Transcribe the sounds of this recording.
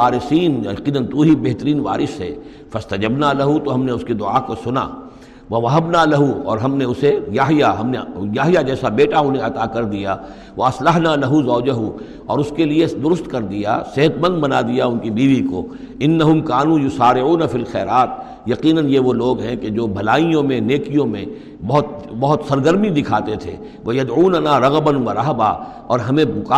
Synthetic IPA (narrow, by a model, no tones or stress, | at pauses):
aːɾɪsiːnqiːnənt̪uɦibeɦt̪əɾiːnʋa̰ːɾɪsɦɛ̰ː | fɐst̪ɐd͡ʒɐbnaːlɐɦut̪oɦɐmneʊskid̪ʊʕa̰ːkosʊna̰ | ʋɐʋɐɦɐbnalɐɦuɔ̰ːɾɦɐmneʊsejaːɦjaɦɐmnejaːɦjad͡ʒɛːsabeːʈaʊnɦẽɐt̪aːkɐɾd̪ija | ʋɐɐslɐɦnalɐɦuzɔːd͡ʒəɦu | ɔːɾʊskelied̪ʊɾʊst̪kɐɾd̪ija̰seɦət̪mɐ̃nd̪̚bɐnad̪ijaʊnkibiːʋiko̰ː | ɪnːɐɦʊmkaːnũjʊsaːɾɪʕuːnɐfilxɛ̰ːɾaːt̪̚ | jɐqiːnənjeʋoloːɡɦɛ̃ked͡ʒoːbʱɐlaːijõmẽneːkijõmḛ̃ | bɐɦʊt̪bɐɦʊt̪sɐɾɡəɾmid̪ɪkʰaːt̪et̪ʰḛː | ʋɐjɐd̪ʕuːnɐnaːɾɐɣbənʋɐɾɐɦba̰ | ɔːɾɦɐmẽbʊkaː